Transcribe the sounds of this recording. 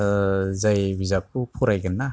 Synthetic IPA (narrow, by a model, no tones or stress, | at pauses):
zajbizak̚ʰupʰɔɾajɡɯnːa